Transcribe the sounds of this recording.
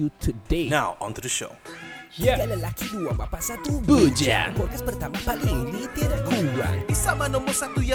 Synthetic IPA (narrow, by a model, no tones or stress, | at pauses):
ut̪ʰudenawʔɔ̰̃ntudəʃo̰idaʔləlakiduamapasat̪ubəd͡ʒa̰pɔr̚kaspərt̪amapaʔliɾit̪idaʔkʰuwa̰nisamanɔmɔsat̪uja